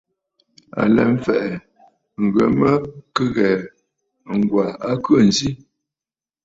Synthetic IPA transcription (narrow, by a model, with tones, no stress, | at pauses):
a̰˨lɛ̰˨m̩˦fɛ˨ʔɛ˨ | ŋ̩˨ɡə˨mə˦kə˦ɣɛ˨ | ŋ˨ɡwa˨a˦kə˦˨n˨zi˦